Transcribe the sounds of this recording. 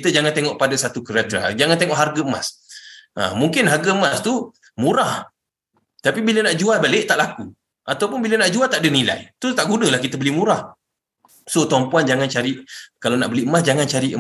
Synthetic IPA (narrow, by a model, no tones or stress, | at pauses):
kit̪əd͡ʒaŋant̪eŋɔʔpadasat̪ukəɾat̪ɾa̰d͡ʒaŋãnt̪eŋɔʔɦarɡəəma̰sʔa̰muŋkɪnɦarɡəəmast̪u | mũɾah | t̪apibilənaʔd͡ʒualbaleʔt̪aʔlaku | ʔat̪awpʊnbilənaʔd͡ʒualt̪aʔdənila̰jt̪ʊst̪aʔɡunəlahkit̪əbəlimuɾah | sot̪ɔmpuand͡ʒaŋant͡ʃaɾiʔkalanaʔbəliəmasd͡ʒaŋant͡ʃaɾiʔə